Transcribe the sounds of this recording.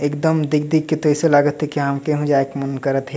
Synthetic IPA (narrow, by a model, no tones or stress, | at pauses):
ekd̪əmd̪ik̚d̪ikket̪oɪselaɡət̪ɦekiɦamkeɦũd͡ʒaekmənkəɾət̪ɦɛ